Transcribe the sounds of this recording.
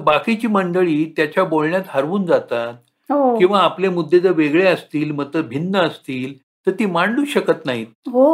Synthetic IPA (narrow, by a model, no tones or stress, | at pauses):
bakit͡ɕiːməɳɖəɭiːt̪jat͡ɕjabolɳjat̪ɦəɾʋuːnd͡zat̪at̪̚ | ɦokĩʋaːplemud̪ʱːed͡zəɾʋeɡɭeəst̪iːlməɡt̪əɾbʱinːəəst̪iːl | t̪əɾt̪iːmaɳluːɕəkət̪naɦit̪̚ɦo